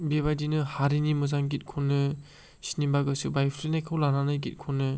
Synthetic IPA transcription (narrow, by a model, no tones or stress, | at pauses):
beβadinɯhaɾinimɯzaŋɡit̚kʰɔnːɯ | sinimbaɡɯsɯbajpʰɾinajkʰɯwlananɯjɡit̚kʰonːɯ